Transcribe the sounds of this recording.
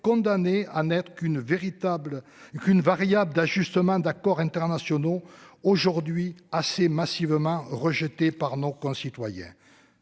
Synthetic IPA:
kɔ̃d̪aneanɛt̪χəkynveʁit̪ablkynvaʁjabləd̪aʒyst̪əmɑ̃d̪akɔʁɛ̃t̪ɛʁnasjɔnooʒuʁd̪ɥiasemasivəmɑ̃ʁəʒət̪epaʁnokɔ̃sit̪wajɛ̰̃

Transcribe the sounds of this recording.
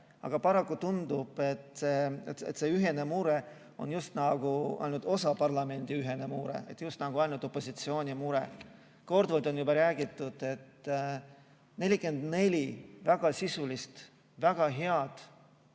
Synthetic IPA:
ɑ̰ɡ̥ɑpɑɾɑkːˑut̪und̪ub̥e̞t̪se̞et̪ḛt̪se̞yɦe̞ne̞muɾe̞ | o̞̰njust̪nɑɡ̥uɑ̰jlʲnud̪̥o̞sɑpɑrlɑme̞nʲd̪̥iyɦe̞ne̞muɾḛḛt̪ːjust̪nɑɡ̥uɑlʲnud̪o̞pːˑo̞sit̪sio̞ːnʲimuɾḛ | ko̞rd̪vold̪o̞njubɑɾæːɡit̪ːˑud̪̥e̞t̪ː | ne̞lʲike̞nd̪ne̞lʲivæɡ̥ɑsisulist̪ | væɡ̥ɑɦe̞ɑd̪̥

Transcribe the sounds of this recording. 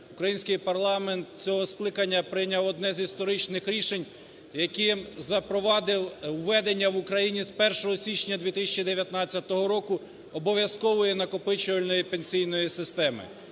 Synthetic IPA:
ʊkɾɐjinʲsʲkɪjpɐrlˠɑment̪̚t͡sʲɔɦɔsklˠɪkɐnʲːɐpɾɪjnʲɐwɔd̪nɛzist̪ɔɾɪt͡ʃnɪxɾʲiʃenʲ | jɐkɪzɐpɾɔʋɑd̪ɪwːɛd̪enʲːɐʋʊkɾɐjinʲispɛrʃɔɦɔsʲit͡ʃnʲɐd̪ʲʋʲit̪ɪsʲɐt͡ʃid̪eʋʲjɐt̪nɑt͡sʲːɐt̪ɔɦɔɾɔkʊ | ɔbɔʋʲjɐskɔʋɔjɛnɐkɔpɪt͡ʃʊʋɐlʲnɔjipenʲsʲijnɔjisɪst̪ɛmɪ̰

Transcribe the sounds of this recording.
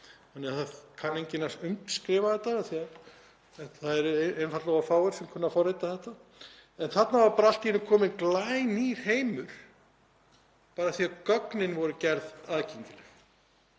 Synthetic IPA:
hanːɛaθakʰanːeɲcɪnːasʏmtskɾɪːvaðθɛt̪ːaaθiað | θaðɛɾenfat̪lɔɣafaːwɛɾ̥sɛmkʰɔnːafɔɾejt̪aθɛht̪a | ɛnθat̪navaɾpaːɾaal̥t̪ɪjɛnʏmkʰɔːmɪnklaːjniɾ̥ɦeːjmʏɾ̥ | paːɾaθiakœknɪnvɔɾʏcɛɾðaðcʰeɲcɪlɪx

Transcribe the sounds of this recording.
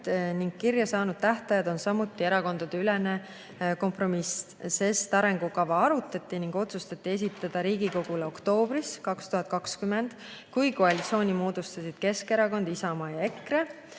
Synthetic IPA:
niŋɡ̥̚kirjɑsɑːnud̪̥̚t̪æht̪ɑjɑd̪̥o̞nsɑmut̪ːˑie̞ɾɑko̞nd̪̥ɑd̪̥eyle̞ne | ko̞mpro̞misse̞st̪ɑɾe̞ŋɡ̥ukɑvɑɑɾut̪ːˑɑt̪ːˑiniŋɡ̥o̞t̪sust̪ɑt̪ːie̞s̬ʲit̪ːˑɑd̪̥ɑɾiːɡ̥iko̞ɡ̥uleo̞kt̪o̞ːb̥riskɑkst̪uɦɑt̪̚kɑkskymend̪̥ | kujko̞ɑlʲit̪sʲo̞ːnʲimo̞ːd̪̥ust̪ɑsid̪̥ke̞ske̞ɾɑko̞nd̪̥isɑmɑːjɑe̞kːre

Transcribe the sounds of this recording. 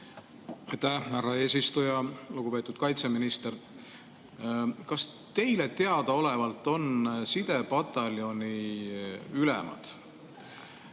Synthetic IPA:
ɑjt̪æhhærɑe̞ːs̬ist̪ujɑluɡ̥upe̞t̪ːˑud̪̥kɑjt̪se̞minist̪er | kɑst̪e̞jle̞t̪e̞ɑd̪̥ɑo̞le̞vɑlt̪ːˑo̞nsid̪̥e̞pɑt̪ːˑɑljo̞ni | ylɛ̰mɑ̰d̪̥

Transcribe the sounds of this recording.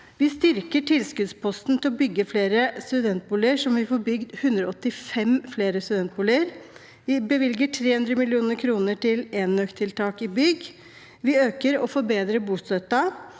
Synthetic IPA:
ʋɪst̪ʏɾkəʈʰɪlskʉd̪spʰɔst̪n̩t̪ʰɪlɔbʏɡːəfleːɾəst̪ʉd̪ɛnt̪̚buːləʂɔmʋɪfɔːɾbʏɡd̪hʉnd̪ɾɔɔt̪ːɪfɛmfleːɾəst̪ʉd̪ɛnt̪̚buːləɾ | ʋɪbəʋɪlɡəʈʰɾeːhʉnd̪ɾəmɪlɪuːnəɾkʰɾuːnəʈʰɪleːnːœkt̪ʰɪlt̪ʰɑːkɪbʏɡ | ʋɪøːkəɾɔfɔɾbeːd̪ɾəbuːst̪œt̪ːɑ

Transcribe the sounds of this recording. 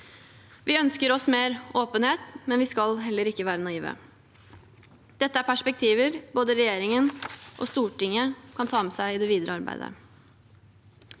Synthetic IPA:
ʋɪœnskəɾɔsmeːɾoːpənheːt̪mɛnʋɪskɑlɦɛlːəɾɪkːəʋæːɾənɑiːʋə̰ | d̪̥ɛt̪ːəæɾpʰæʂpɛk̚t̪ʰiːʋəɾboːd̪əɾɛjeːɾɪŋənʔo̰ːst̪uːʈɪŋəkʰɑnt̪ʰɑːmsæɪɪd̪ɛʋiːd̪əɾəɑɾbæ̰ɪd̪ə̰

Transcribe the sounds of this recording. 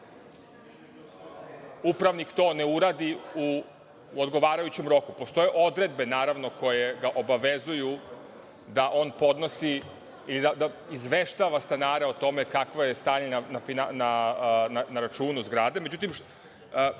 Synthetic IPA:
upɾaʋnikt̪o̞ːne̞uɾaːd̪iu | od̪ɡo̞ʋaːɾajut͡ɕe̞mɾo̞kupo̞st̪o̞jeʔo̞d̪ɾe̞d̪̚be̞naːɾaʋno̞ko̞je̞ɡaʔo̞baʋe̞zuju | d̪aʔo̞ːnpo̞d̪no̞si | ilid̪ad̪aizʋeʃt̪aːʋast̪anaːɾe̞o̞t̪o̞me̞kakʋojest̪aːɲenanafinanananaɾat͡ʃuːnuzɡɾaːd̪e̞me̞d͡ʑut̪̬im

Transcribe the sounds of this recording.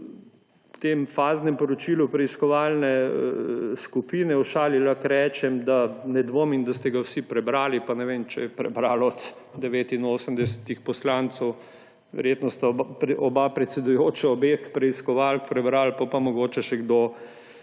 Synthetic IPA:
t̪emfaːznɛmpɔɾɔt͡ʃilupɾɛiskɔʋaːlnɛ | skupiːnɛuʃaːlilaxɾɛːt͡ʃɛmd̪anɛd̪ʋoːmind̪ast̪ɛɡawsipɾɛbɾaːlipanɛʋemt͡ʃɛjɛpɾɛ̰bɾaːlɔt̪ | d̪ɛʋeːt̪inoːsəmd̪ɛsɛ̥t̪ixpɔslant̪sɔw | ʋɛ̰ɾjet̪nɔst̪apɾɛʔɔbapɾɛt̪sɛd̪ujoːt͡ʃɛɔbeːxpɾɛiskɔʋalkpɾɛbɾalpapamɔɡoːt͡ʃɛʃɛɡd̪oː

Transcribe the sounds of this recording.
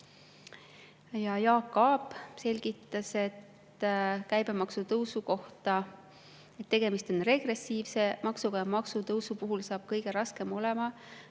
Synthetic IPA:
jɑjɑːkːˑɑːbˑse̞lʲɡ̥it̪ːˑɑse̞t̪ː | kæjb̥e̞mɑksut̪ɤwsuko̞ht̪ɑ | et̪ːe̞ɡ̥e̞mist̪o̞nre̞ɡ̥re̞sːiːvse̞mɑksuɡɑjɑmɑksut̪ɤwsupuɦulsɑːb̥̚kɤjɡ̥e̞ɾɑske̞mo̞le̞mɑ

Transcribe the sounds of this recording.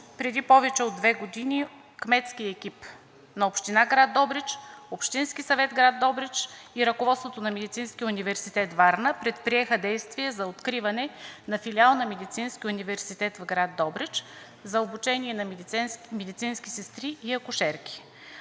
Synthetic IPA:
pɾɛd̪ipɔvɛt͡ʃɛod̪ːvɛɡod̪ini | kmɛt̪skijəɛkip | nɐopʃt̪inaɡɾad̪ːɔbɾɛt͡ʃopʃt̪inskisɐvɛt̪ɡɾad̪ːɔbɾɛt͡ʃiɾɐkovɔt̪svot̪onɐmɛd̪it̪sinskijəunivɛɾsit̪ɛt̪vaɾnəpɾɛt̪pɾiɛxəd̪ɛjst̪viɛzɐot̪kɾivɐnɛnɐfilialˠnɐmɛd̪it̪sinskʲiunivɛɾsit̪ɛt̪vɡɾad̪ːɔbɾɛt͡ʃ | zɐobut͡ʃɛniɛnɐmɛd̪it̪sinskisɛst̪ɾiːɐkʊʃɛɾkʲi̥

